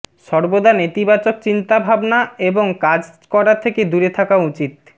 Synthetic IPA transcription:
ʃɔɾbod̪anet̪ibat͡ɕok̚t͡ɕint̪abʱabnaeboŋkad͡ʑkɔɾat̪ʰeked̪uɾet̪ʰakaut͡ɕit̪

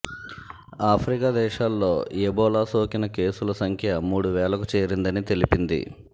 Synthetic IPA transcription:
aːpʰɾikad̪ɛːʃaːlːo̞ːebɔːlaːsoːkinɐke̞ːsulɐsɐŋkʰjɐmuːɽuʋɛːɭɐkut͡ʃe̞ːɾind̪ɐnit̪e̞lipind̪ḭ

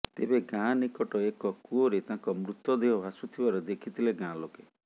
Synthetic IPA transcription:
t̪ebeɡãnikɔʈɔekɔkuoɾet̪ãkɔmɾut̪ːɔd̪eɦɔbʱasut̪ʰibaɾɔd̪ekʰit̪ʰileɡãloke

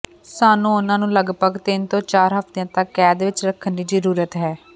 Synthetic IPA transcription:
saːnũːʊnãːnũːləɡbəɡt̪ɪnt̪õːt͡ʃaːɾɦəft̪ejãːt̪əkːɛːd̪ʋɪt͡ʃɾəkʰːənd̪iːd͡ʒəɾuːɾət̪ɦɛː

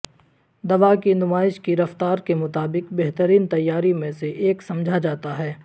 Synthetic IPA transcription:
d̪ɐʋakinʊmaːɪʃkiɾɐft̪aːɾkemʊt̪aːbɪkbɛɦt̪əɾiːnt̪ɐjːaːɾimẽseʔeːksɐ̃md͡ʒʱad͡ʒaːt̪aɦɛː

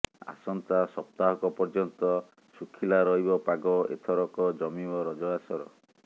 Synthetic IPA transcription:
a̰sɔnt̪asɔp̚t̪aɦɔkɔpɔɾd͡ʒɔnt̪ɔ | sukʰilaɾɔɦibɔpaɡɔḛt̪ʰɔɾɔkɔd͡ʒɔmibɔɾɔd͡ʒɔasɔɾɔ̰

